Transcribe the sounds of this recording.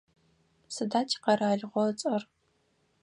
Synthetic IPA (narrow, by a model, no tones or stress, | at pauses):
sɨdaːt͡ʃʼqɐɾaːɮʁʷɔt͡sʼɐr